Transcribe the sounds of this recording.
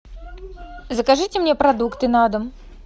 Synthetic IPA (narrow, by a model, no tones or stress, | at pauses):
zəkaʐɨtʲɪmnʲepɾɐd̪ukt̪ɨnad̪əm